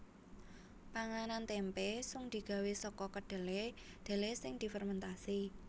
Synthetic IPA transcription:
paŋanant̪ɛmpesʊŋd̪̥i̤ɡ̥a̤wesɔkɔkəɖ̪̥e̤le | d̪̥e̤lesɪŋd̪̥i̤fərmənt̪asi

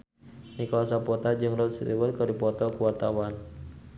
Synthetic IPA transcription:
nikawasapɔt̪ad͡ʒɨŋrɔt̪̚sḭt̪iwət̪̚kədipɔt̪ɔkuwart̪awan

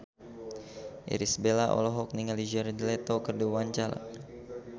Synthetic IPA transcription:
ʔɛ̰ɾisbelaʔɔ̰lɔɦɔk̚niŋalid͡ʒɛrdilet̪okərduwaɲt͡ʃala̰

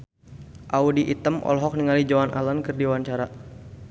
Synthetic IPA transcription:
ʔaudiʔit̪əmʔɔ̰lɦɔk̚niŋalid͡ʒawanʔa̰lankɨrdiwaɲt͡ʃaɾa

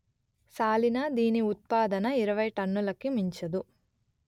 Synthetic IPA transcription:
saːlinɐd̪iːniut̪̚paːd̪ɐnɐiɾɐʋɐjʈɐnːulɐkːimiɲt͡ʃɐd̪u

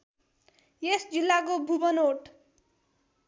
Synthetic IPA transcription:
jesd͡zilːak̬obʱubʌnoʈ

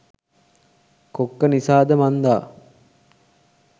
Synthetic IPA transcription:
kokːənisaːd̪əmand̪aː

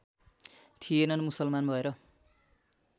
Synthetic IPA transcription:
t̪ʰijenʌnmusʌlmanbʱʌeɾʌ

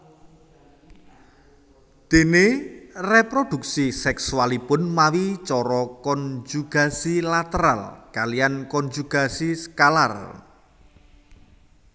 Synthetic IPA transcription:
d̪̥e̤nerepɾod̪̥ṳk̚sisɛksualipʊnmawit͡ʃɔɾɔkɔnd͡ʒuɡ̥a̤silat̪əɾa̰lkalijankɔnd͡ʒuɡ̥a̤siskala̰r

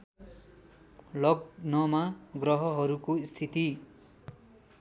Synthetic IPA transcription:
lʌɡnʌmaɡrʌɦʌɦʌɾukoist̪ʰit̪i

